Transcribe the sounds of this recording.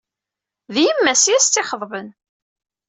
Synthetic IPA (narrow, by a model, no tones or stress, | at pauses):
ðjəmːæsjæst͡s̪ːɪχəðˤvən